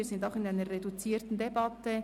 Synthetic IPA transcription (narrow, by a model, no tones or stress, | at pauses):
ɾz̥ɪndaʊxɪnaɪnəʁedut͡siːɾtn̩debɑtə